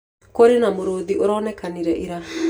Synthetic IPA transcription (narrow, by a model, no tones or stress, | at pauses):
koɾenamoɾoːðioɾɔːnɛkaniɾɛʔiɾa